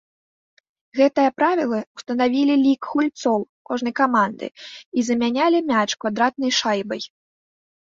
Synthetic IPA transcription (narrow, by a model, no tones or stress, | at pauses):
ɣɛt̪ɨjɐpɾavʲilˠɐu̥st̪ɐnavʲilʲilʲikxulʲt̪sɔwkɔʐnɐjkamand̪ɨ̰izɐmʲanʲalʲimʲat͡ʂkvad̪ɾat̪̚nɐjʂajbɐj